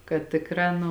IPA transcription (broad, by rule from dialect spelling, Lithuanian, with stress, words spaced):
kɐt ˈtʲɪkˌrɑː nʊ